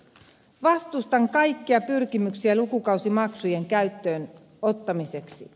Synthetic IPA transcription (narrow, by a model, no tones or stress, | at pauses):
ʋɑst̪ust̪ɑŋkɑjkːiɑpyrk̟imyksiælukukɑuwsimɑksuje̞ŋkæɥt̪ːø̞ːn | o̞t̪ːɑmise̞ksi